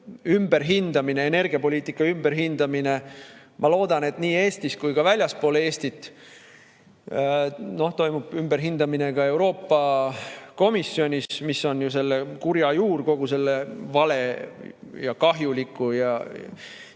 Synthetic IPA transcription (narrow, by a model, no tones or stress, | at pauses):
ymb̥e̞ɾɦind̪̥ɑmine̞ene̞rɡ̥iɑpo̞lʲiːt̪ːˑikːˑɑymb̥e̞ɾɦind̪̥ɑmine̞ | mʔɑlo̞ːd̪̥ɑne̞t̪niːe̞ːst̪iskujkɑvælʲjɑspo̞ːlee̞ːst̪it̪ːˑ | no̞ht̪o̞jmub̥ymb̥e̞ɾɦind̪ɑmine̞ɡɑe̞wɾo̞ːpːˑɑ | ko̞misːio̞nʲismisːo̞njuse̞lːekuɾjɑjuːrko̞ɡ̥use̞lːe̞vɑle̞ | jɑkɑɦjulikːˑujɑ